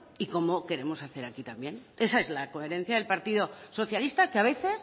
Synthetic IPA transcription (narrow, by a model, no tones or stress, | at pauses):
iko̞moke̞ɾe̞mo̞saθe̞ɾakit̪ambje̞ne̞sae̞zlako̞e̞ɾe̞n̟θjaðelpaɾt̪iðo̞so̞θjalist̪akeaβ̞e̞θe̞s